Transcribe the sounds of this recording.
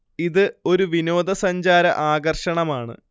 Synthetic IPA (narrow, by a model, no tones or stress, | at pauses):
iðɨo̞ɾuʋino̞ːd̪ɐsɐɲd͡ʑaːɾɐ̰ʔaːɡɐrʂɐɳɐmaːɳɨ̰